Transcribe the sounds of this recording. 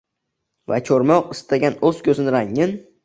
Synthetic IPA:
va̰t͡ʃʰoɾmɒqɪst̪ʰaɡʲanɵz̥kʲʰɵzɪnɪɾaŋːɪn

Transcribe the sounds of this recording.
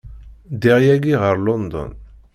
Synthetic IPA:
d̪iʁjæɡiʁəɾlɔnd̪ɔ̰n

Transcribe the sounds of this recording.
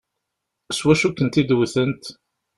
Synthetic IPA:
swæʃukːənt̪id̪wθənt̪

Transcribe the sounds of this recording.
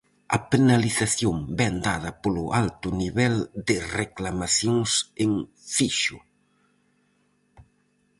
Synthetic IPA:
ɐpenaliθaθjombɛnd̪að̞ɐpolʊʔalt̪ʊniβɛld̪ɪreklamaθjoŋseŋ | fiʃʊ

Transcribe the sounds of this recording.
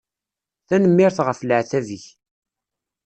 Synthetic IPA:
θænəmːɪɾθʁəfləʕθæviç

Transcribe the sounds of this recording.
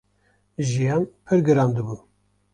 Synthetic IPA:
ʒijɑːnpʰɨɾɡɨɾɑːnd̪ɨbuː

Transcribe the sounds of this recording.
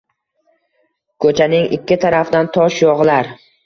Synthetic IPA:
kʰɵt͡ʃʰanɪŋʔɪ̰kʲːɪt̪ʰaɾafd̪ant̪ʰɒʃjɒʁlaɾ

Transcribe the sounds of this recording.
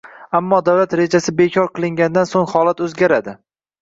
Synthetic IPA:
amːɒd̪awlat̪ɾe̞d͡ʒasɪbe̞kʲʰɒɾqɨlˠɪŋɡʲand̪ansoŋhɒlat̪ɵzɡʲaɾad̪ɪ

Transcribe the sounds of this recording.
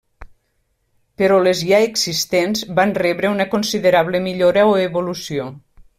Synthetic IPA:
peɾɔlezʎaeɡzist̪enzbanrɛβɾəunəkonsiðeɾaβləmiʎoɾaoeβolusio

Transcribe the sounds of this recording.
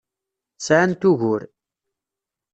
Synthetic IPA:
sʕant̪uʝʊɾ

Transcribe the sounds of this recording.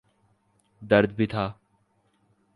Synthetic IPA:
d̪əɾd̪bʱiːt̪ʰaː

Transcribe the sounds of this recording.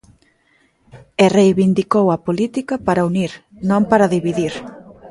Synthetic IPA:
erejβind̪ikowɐpolit̪ikɐpaɾauniɾ | nõmpaɾɐðiβiðiɾ

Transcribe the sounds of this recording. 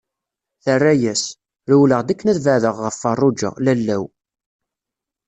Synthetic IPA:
θərːæjæs | ɾuwləʁd̪ækːənæðvəʕðəʁːəfːɑrˤːʊd͡ʒə̰ʁlælːæw

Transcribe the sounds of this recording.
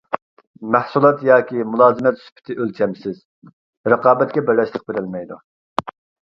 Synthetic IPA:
mæhsulˠɑt̪jɑːkʲimulˠɑːzɨmɛt̪sy̥pʰɪ̥t̪ʰɪʔølt͡ʃʰɛmsɪz̥ | ɾəqʰɑːbɛt̪̚kʲɛbɪɾlɛʃlˠəq̚beɾɪlmɛjd̪u

